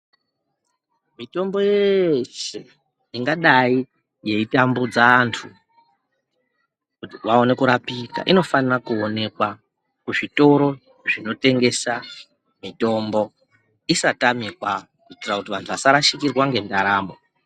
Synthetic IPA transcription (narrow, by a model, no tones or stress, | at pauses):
mito̞mbo̞jeʃe | iŋɡaɗai | je̞itambud͡zaːntʰu | kutiwao̞ne̞kuɾapita̰ʔino̞fanirakuone̞kwa | kuʐito̞ɾo̞ | ʐino̞te̞ŋɡe̞sa | mito̞mbo̞ | isatamikwa | kuitirakutiʋantʰuʋasaɾaʃikirwaŋɡe̞ndaɾaːmo